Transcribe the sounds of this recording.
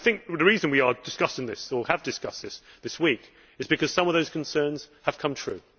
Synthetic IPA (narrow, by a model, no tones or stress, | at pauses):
aɪθɪ̃ŋk̚ðəɹiːzə̃nwiədɪskʌsɪ̃ŋðɪsəəvdɨskʌsðɪsðɪswiˑk | ɨzbɨkʰʌz̥sʌ̃mʌvðoʊz̥kʰə̃n̩sɜ̃ːnz̥əv̥kʰʌ̃mt̪ʰɹ̥ʉ̰